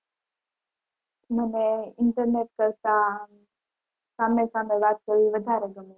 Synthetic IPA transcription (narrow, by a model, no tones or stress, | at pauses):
məneɪɳʈəɾneʈ̚kəɾt̪a | saːmesaːmẽʋaːt̪̚kəʋiʋəd̪ʱaːɾeɡəmi